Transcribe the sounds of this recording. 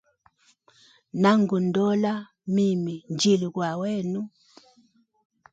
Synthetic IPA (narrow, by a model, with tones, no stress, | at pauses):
na˦ŋɡu˨ndɔ˦la˦ | mi˦˨mi˨nd͡ʒi˨lu˨kwa˨wɛ˦˨nu˦